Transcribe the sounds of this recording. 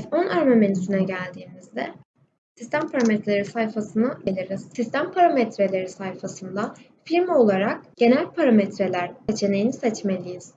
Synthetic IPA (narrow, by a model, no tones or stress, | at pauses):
t̪o̞nʔaɾmamenisinɛɟælʲd̪iːmizd̪ɛ | sist̪ʰæmpʰaɾamet̪ʰɾelʲeɾisajfasɯnaɟelʲiɾiz̥sist̪ʰæmpʰaɾamet̪ʰɾe̞lʲe̞ɾisajfasɯnd̪a | fiɾmo̞lˠaɾak̚ɟ̥e̞nælʲpʰaɾamet̪ɾe̞lʲæɾset͡ʃʰe̞nejinisɛt͡ʃme̞lʲijiz̥